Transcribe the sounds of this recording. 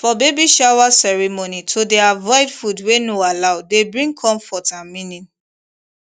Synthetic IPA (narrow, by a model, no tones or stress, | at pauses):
fɔbebiʃawasɛɹɛmonitʰodɛavɔɪdfudwenoalaʊdebɹĩŋɡkʰɔ̃mfɔtãnmĩnĩm